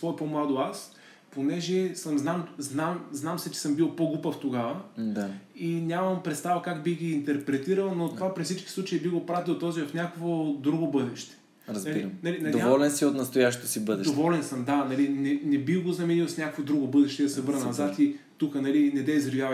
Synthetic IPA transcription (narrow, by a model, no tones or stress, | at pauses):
svɔɛpomlˠad̪oas | ponɛʒɛsəmznamznamznamsɛt͡ʃɛ̥sɤmbilˠpoɡupəft̪oɡavəd̪ainʲamɐmpɾɛt̪st̪avɐkaɡbiɣɡiːnt̪ɛɾpɾɛt̪iɾəlˠnot̪ovapɾifsit͡ʃki̥sˠut͡ʃəibiɣɡopɾat̪ilˠt̪ɔzivɐfnʲakovod̪ɾuɡobɤd̪ɛʃt̪ɛ̥ | ɾɐzbliɾnɐlinɐd̪oiɔlɛnsiot̪nɐst̪ojaʃt̪o̥t̪osibɤd̪ɛʃdovɔlɛnsəmd̪anɐlinɛnɛbiɡoznɐmɛnilˠsnʲakokvod̪ɾuɡobɤd̪ɛʃt̪ɛd̪ɐsɛvɤɾnɐnɐzat̪i | t̪ukənɐlinɛd̪ɛizɾivʲjav